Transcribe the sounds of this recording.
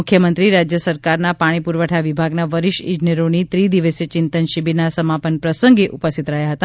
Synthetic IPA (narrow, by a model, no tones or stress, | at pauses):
ukʰjəmənt̪ɾiɾad͡ʒjəsəɾkaɾnapaɽ̃ipuɾʋəʈʰaʋibʱaɡnaʋəɾiʃid͡ʒneɾonit̪ɾid̪iʋəset͡ʃɪnt̪ənʃibinasəmapənpɾəsəŋɡeʔupəst̪it̪ɾəɦjaɦət̪a